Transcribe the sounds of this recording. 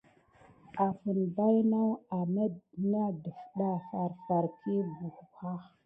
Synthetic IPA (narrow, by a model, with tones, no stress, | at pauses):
a˨fə˨nba˦jna˦wa˨mə˦na˦də˨fɗa˦fa˨ɾfa˨ɾkʰi˦bu˨kxa˦x